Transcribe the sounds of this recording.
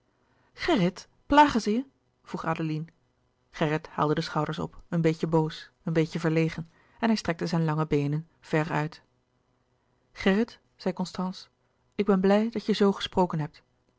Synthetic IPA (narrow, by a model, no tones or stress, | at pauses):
χɛrət | plaːχənzəjə | v̥ruχaːdolin | χɛrətha̰ːlˠdədəsχɑwdəɹsɔ̰pənbejkəbows | ənbejkəvəɹlejχən | ɛnɦɛjstrɛk̚təzɛjnlɑŋəbejnən | v̥ɛrœ̰ɥt | χɛrət | z̥ɛjkɔnstɑns | ɪɡ̚bɛnblɛjdɑtjəzowχə̥sprowkənɦɛp̚t